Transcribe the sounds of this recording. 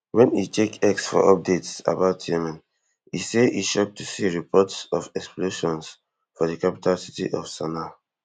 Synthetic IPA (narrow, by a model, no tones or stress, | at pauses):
wɛ̃nḭtʰekɛksfɔ̰ʔɔp̚detsa̰baʊtʰjɛmãn | ḭseiʃɔp̚tusiɹipʰɔtsɔfɛkspleʃɔ̃ns | fɔðəkapi̥tʰalsitḭʔɔfsana